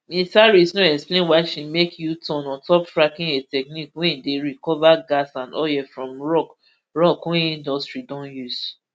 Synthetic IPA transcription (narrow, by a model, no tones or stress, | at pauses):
mĩsaɹisnɔ̃ɛksplẽnwaɪʃimekʰjutɔ̃nɔ̃ntɔpfɹakĩnetɛk̚nikwɛ̃ideɹikɔvaɡasãnɔjɛfɹɔ̃mɹɔk | ɹɔkɔ̃ĩndɔstɹidɔ̃njus